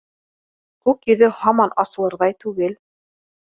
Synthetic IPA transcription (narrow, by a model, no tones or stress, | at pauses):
kʉkjɵ̆ðɘhɑmɑnʔɑsɤ̆lˠɤ̆ɾðɑjt̪ʉɡɘl